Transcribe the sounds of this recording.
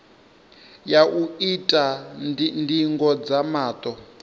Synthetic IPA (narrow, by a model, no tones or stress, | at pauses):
jaʔuitʼa | ndiŋɡɔd͡zamaːt̪ʼɔ